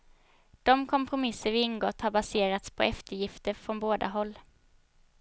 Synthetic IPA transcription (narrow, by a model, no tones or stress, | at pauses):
d̪̥ɔmkʰɔmpʰɾʊmɪsːəɾvɪɪnɡɔt̪ːhaɾbaseːɾat̪spʰɔ̰ɛft̪əɾjɪft̪əɾfɾɔnboːd̪a̰ɦɔlː